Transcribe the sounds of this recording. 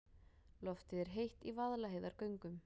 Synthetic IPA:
lɔft̪ɪðɛɾ̥ɦejht̪ivaðlaɦejðaɾ̥kœɥŋkʏm

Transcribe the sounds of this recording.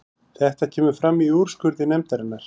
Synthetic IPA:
θɛht̪acʰɛːmʏfɾamːiuɾ̥skʏɾðɪnɛmt̪aɾɪnːaɾ̥

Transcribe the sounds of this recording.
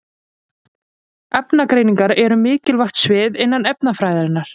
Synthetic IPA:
ɛpnakɾeːjniŋkaɾɛɾʏmɪːcɪlvajxt̪svɪːðɪnːanɛpnafɾaːjðaɾɪnːaɾ̥

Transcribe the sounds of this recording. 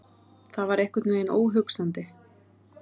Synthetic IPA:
θavaɾejhkʏt̪nveːjɪno̰ːwɦʏksant̪ɪ

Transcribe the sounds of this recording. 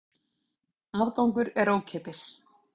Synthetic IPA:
avkawŋkʏɾɛɾoːwcʰɛːpɪs

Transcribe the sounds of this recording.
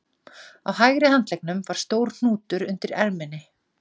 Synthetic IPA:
a̰whajɣɾɪɦant̪lɛjk̚nʏmvaɾ̥st̪oːwɾ̥n̥uːt̪ʏɾʏnt̪ɪɾɛ̰lmɛnːɪ

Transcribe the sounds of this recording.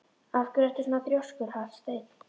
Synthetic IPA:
afkʏɾɛft̪ʏsmat̪ɾjɔskʏɾ̥hafst̪eːjt̪

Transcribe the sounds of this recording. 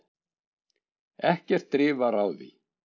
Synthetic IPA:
ɛhcɛr̥t̪ːɾɪːvaɾaːwðḭ

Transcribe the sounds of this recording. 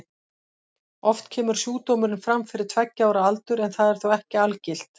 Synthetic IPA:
ɔft̪cʰɛːmʏɾ̥sjuːt̪oːmʏɾɪnfɾamfɪɾɪɾ̥t̪ʰvɛcːaːwɾaalt̪ʏɾɛnθaðɛɾ̥θowɛhcɪalcɪl̥t̪

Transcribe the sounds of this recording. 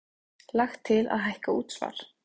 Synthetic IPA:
laxt̪ʰːɪla̰ðɦajhkauːt̪sva̰ːɾ̥

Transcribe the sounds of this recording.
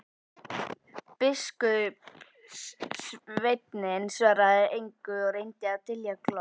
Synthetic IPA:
pɪskʏ | vejt̪nɪnsvaːɾaðɪejŋkʏɔɣɾejnt̪ɪawt̪ʰɪljɛklɔ

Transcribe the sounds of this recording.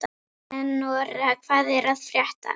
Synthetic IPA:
t̪ | ɛnːɔɾakʰv̥aːðɛɾaðfɾjɛht̪a̰

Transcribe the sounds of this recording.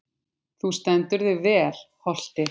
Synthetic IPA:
θust̪ɛnt̪ʏɾðɪvɛːlhɔl̥t̪ɪ

